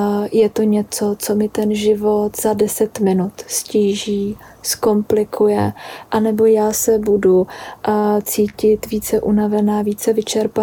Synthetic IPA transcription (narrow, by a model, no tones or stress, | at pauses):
jɛt̪oɲɛt͡so̞t͡so̞mɪt̪ɛnʒɪvo̞t̪z̥adɛsɛt̪mɪnut̪sciːʒiː | sko̞mplɪkʰujɛʔanɛbo̞jaːsɛbudu | t͡siːcɪt̪viːt͡sɛʔunavɛnaːviːt͡sɛvɪt͡ʃɛɾpa